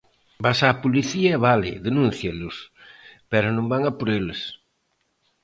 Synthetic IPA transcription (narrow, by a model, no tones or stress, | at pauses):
basaːpoliθiɐβalɪ̰ðenũnθjelʊspɛɾonõmbaŋapoɾeles